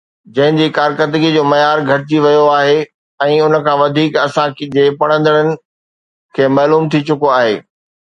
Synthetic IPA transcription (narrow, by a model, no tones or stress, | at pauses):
d͡ʑɐ̃ɦɪ̃ɲd͡ʑiːkaːɾkət̪ɪɡid͡ʑoːmɐjaːɾɡʱɐɾɪt͡ɕiʋɐjoaːɦe | ɛ̃ːʊnə̆kʰãːʋɐd̪ʱiːkɐsãkd͡ʑeːpɐɽ̃ə̃nd̪əɽ̃ənɪ̆ | kʰeːmɐːluːmt̪ʰit͡ɕʊkoaːɦḛː